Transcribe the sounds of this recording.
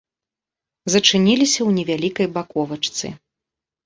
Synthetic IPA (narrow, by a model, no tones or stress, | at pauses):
zɐt͡ʂɨnʲilʲisʲɐwnʲɛvʲalʲikɐjbakɔvɐt͡ʂt̪sɨ̰